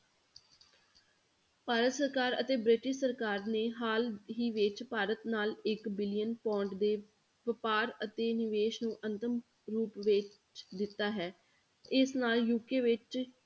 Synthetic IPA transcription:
paːɾət̪səɾkaːɾə̰t̪eːbɾɪʈɪʃsəɾkaːɾneːɦaːlɦiːʋɪt͡ʃpaːɾət̪naːlɪkbɪlɪjənpɔ̃ːɳʈd̪eː | ʋɪpaːɾət̪eːnɪʋeːʃnũːʔənt̪əm | ɾuːpʋɪt͡ʃ | d̪ɪt̪ːaːɦɛː | ɪsnaːljuːkeːʋɪt͡ʃ

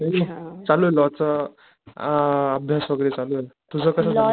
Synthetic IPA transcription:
et͡saluelɔt͡sə | əbʱjasʋəɡəɾet͡saluelt̪ud͡zʱəkəsat͡sa

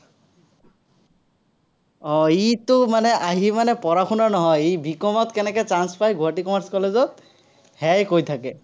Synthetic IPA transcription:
ɔitʊmanɛʔaɦimanɛpɔɹaxʰunaɹnɔɦɔjejbʱikɔmɔt̪kɛnɛkɛt͡ʃanspajɡʱuaʈikɔmaɹskɔlezɔt̪̚ | hɛjkojt̪ʰakɛ

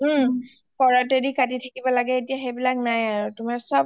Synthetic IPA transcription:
kɔɹatedikatitʰakibɔlaɡɛetijaxebilak̚najaɹutumaɹsɔb̚

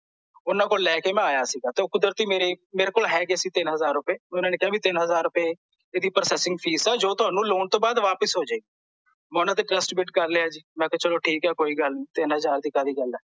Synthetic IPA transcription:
ʊnãːkoːllɛːkeːmɛ̃ːaːjaːsiːɡaːt̪eːkʊd̪əɾt̪iːmeːɾeːmeːɾeːkoːlɦɛːɡeːsiːt̪ɪnɦəzaːɾʊpeːmɛ̃ʊnaːneːkɪaːbiːt̪ɪnɦəzaːɾːʊpeː | eːd̪iːpɾəsɛːsɪ̃ŋɡpʰiːsɛːd͡ʒoːt̪ʊaːnũːloːnt̪õːbaːd̪ʋaːpəsɦoːd͡ʒaːeɡiː | mɛ̃ːʊnaːt̪eːʈɾəsʈbɪʈkəɾleːaːd͡ʒiːmɛ̃ːkɛt͡ʃəloːʈʰiːkɦɛːkoːiːɡəlnĩːt̪ɪnɦəzaːɾd̪ikãːd̪iːɡəlɛː

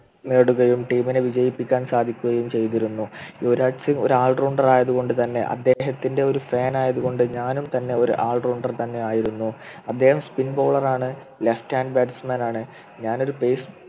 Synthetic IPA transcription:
neːɽuɣɐjumʈiːmineʋid͡ʑɐjipːikʲːaːnsaːd̪ʱikʲːuɣɐjumt͡ɕe̞jt̪iɾunːuoɾaːʈsiŋɡo̞̰ɾuaːlruːɳɖɐraːjɐðuɣo̞ɳɖɨt̪ɐnːe̞̰ʔɐ̰d̪ːe̞ːɦɐt̪ːinde̞o̞ɾufaːnaːjɐðuɣo̞ɳɖɨɲaːnumt̪ɐnːe̞o̞ɾṵʔaːlruːɳɖɐrt̪ɐnːe̞aːjiɾunːuɐd̪ːe̞ːhɐmspinbo̞ːɭɐraːɳɨ | lefʈaːndbaːʈsmɐnaːɳɨ | ɲaːno̞ɾupe̞js

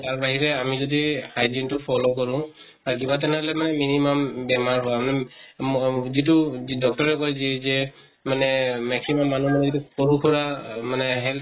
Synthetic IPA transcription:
taɹbaɦiɹɛamizɔdihajd͡ʒintʊpʰɔlok̬ɔɹʊ̃ | aɹkibat̬ɛnɛɔlɛmanɛminimambɛmaɹɦʊamanɛ | zit̬udɔk̚tɔɹɛkɔjzizɛ | manɛmɛksimamːanumanɛzitukoɹukʰɔɹamanɛɦɛl

